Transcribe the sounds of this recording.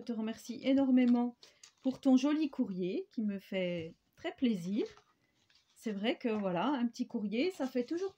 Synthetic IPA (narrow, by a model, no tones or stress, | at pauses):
ət̪əʁəmɛʁsiʔenɔʁmemɑ̃puʁt̪ɔ̃ʒɔlikʰuʁjekʲiməfɛ | t̪χɛpleziːʁ | sɛvʁɛkəvwalaɛ̃pə̥t̪ikuʁjesafɛt̪uʒuːʁ